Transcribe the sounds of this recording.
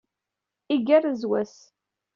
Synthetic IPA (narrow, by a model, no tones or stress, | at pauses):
iɡærzwæs